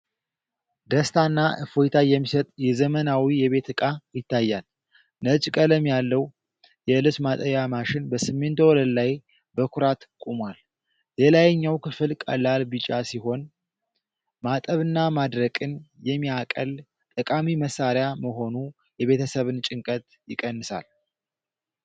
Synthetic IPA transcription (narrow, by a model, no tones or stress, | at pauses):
d̪əst̪ʰanːaʔɨfojt̪ʰajɛmːisət̪ʼjɛzəmənawijɛβe̞t̪ɨkʼajɪt̪ːajːal | nət͡ʃʼkʼələmjalːəw | jɛɨlɨsmat̪ʼəβamaʃɪnbəsɨmːe̞nt̪wɔləd̪laj | bəkʰʊɾat̪kʼumwal | lelajɨɲːawkʰɨfɨlkʼə̰lːalbɨt͡ʃʼasiɦo̞n | mat̪ʼəβɨnːamad̪ɾəkʼɨnjɛmːiakʼə̰l | t̪ʼəkʼamiməsːaɾjaməɦo̞nu | jɛβe̞t̪ʰəsəβɨnt͡ʃʼɪŋkʼət̪ | jɪkʼənːɨsa̰l